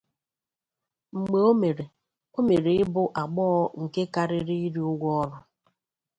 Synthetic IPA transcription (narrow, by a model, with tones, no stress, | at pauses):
ŋ͡m̩˨ɡ͡be˨o˦me˨ɾe˨ | o˦me˨ɾe˨ɪ˦bʊ˦ʔa˨ɡ͡bɔ˦ɔ˦ŋ̩˨ke˦ka˦ɾɪ˦ɾi˦i˦ɾi˦ʊ˦ɡʷɔ˦ɔ˦lʊ˦